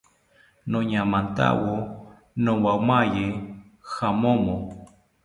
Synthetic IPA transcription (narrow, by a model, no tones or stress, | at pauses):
nõɲãmãnt̪a̰wo | nõwawmaje | xamõmõ